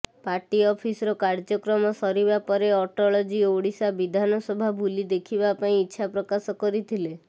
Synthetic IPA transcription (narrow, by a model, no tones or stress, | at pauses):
paʈiɔpʰisɾɔkaɾd͡ʒɔkɾɔmɔsɔɾibapɔɾeɔʈɔɭɔd͡ʒioɽisabid̪ʱanɔsɔbʱabʱulid̪ekʰibapaĩitːʃʰapɾɔkasɔkɔɾit̪ʰile